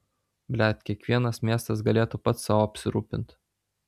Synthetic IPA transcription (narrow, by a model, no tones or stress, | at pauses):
bʲlʲæt̪ʲkʲiɛkʋʲiɛnɐsmʲiɛst̪ɐsɡɐlʲeːt̪upɐt̪sɑːʋoːɐpʲsʲɪɾuːpʲɪnt̪